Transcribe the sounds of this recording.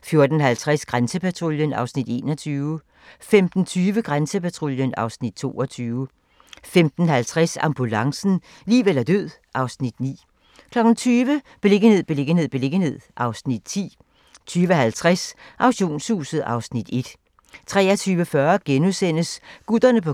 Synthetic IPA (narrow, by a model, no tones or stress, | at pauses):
fjo̝ɐd̥n̩ɦælt͡sʰʁasɡ̥ʁansəpʰæt͡sʰʁo̝ljənɑ̈ʊsnid̥e̝̰ːnɒt͡sʰyːʊə | femd̥n̩t͡sʰyːʋəɡ̥ʁansəpæt͡sʰʁo̝ljənɑ̈ʊsnid̥t͡sʰo̝̰ːɒt͡sʰyːʊə | femd̥n̩hælt͡sʰʁɛsɑ̈mb̥ulɑ̈ŋsn̩ | liːʋel̰ɐd̥øð̰ˠ | ʔɑ̈ʊsnid̥nḭː | kʰlɒ̽ɡ̥n̩t͡sʰyːʋəb̥e̝le̝ɡ̥ənhe̝ð̰ˠb̥ele̝ɡ̥ən̩ɦe̝ð̞̰ˠb̥e̝le̝ɡ̥əne̝ð̰ˠʔɑ̈ʊsnid̥̚t͡sʰḭː | t͡sʰyːʋəɦælt͡sʰʁasʔɑ̈ʊɕo̝̰ːnshṵːsəð̩ˠɑ̈ʊsnid̥e̝d̥ | t͡sʰʁɛ̰ːɐt͡sʰyːʋəfɶɐɡ̥enusen̰əsɡ̥ud̥ɐnəpʰɒ̽